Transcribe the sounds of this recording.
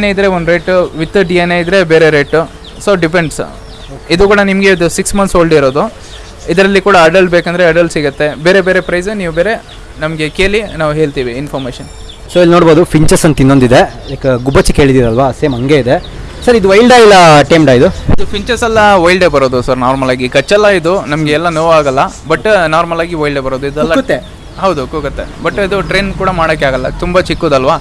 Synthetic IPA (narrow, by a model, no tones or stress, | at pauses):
nejid̪ɾe̞ond̪uɾeːʈʋit̪ːɐɖieneid̪ɾe̞beːɾeɾeːʈː | soːɖipeɳɖs | id̪uːkuːɽɐnimɐɡe̞id̪usiksmɐnsoːɭɖiɾo̞ːd̪u | id̪ɐɾɐlːikuːɽɐɐɖɐlbeːkɐnd̪ɐɾeɐɖɐlsiɡɐt̪ːe̞beːɾe̞be̞ːɾe̞pɾɐjsniːʋubeːɾe̞ | nɐmɐɡe̞keːlinaːʋuɦeːɭt̪iːʋiinfʰoːɾmeːʃɐn | soːilːnoːɽboːd̪upʰiɲt͡ʃɐsɐnt̪inːond̪id̪e̞ | jaːkɡubɐt͡ʃːike̞ːɭid̪iːɾɐlʋaseːmɐŋɡeid̪e̞ | sɐɾid̪uʋɐjlɖaːjilːɐʈɐjmɖaːid̪uid̪upʰiɲt͡ʃɐsɐlːɐʋɐjlɖebɐɾoːd̪usɐɾnaːɾmɐlaːɡikɐt͡ʃːɛlːɐid̪unɐmɐɡeɛlːɐnoːʋaːɡɐlːɐbɐʈːnaːɾmɐlaːɡiʋɐjlɖebɐɾoːd̪uid̪ɛlːɐut̪ːe | ɦɐwd̪ukoɡɐt̪ːe̞̰bɐʈːid̪uʈɾeːnkuːɽɐmaːɽokːeaːɡɐlːɐ̰t̪umbɐt͡ʃikːoːd̪ɐlʋaː